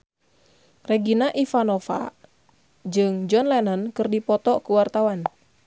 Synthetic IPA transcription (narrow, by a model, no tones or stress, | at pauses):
rɛɡinaʔifanɔfa̰ | d͡ʒɨŋd͡ʒɔnlɛnənkɨrdipɔt̪ɔkuwart̪awan